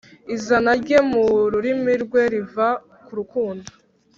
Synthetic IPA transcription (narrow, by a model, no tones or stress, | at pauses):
izanaɾɟe̞muɾuɾimiɾɡwe̞ɾiva | kuɾukuːndo̥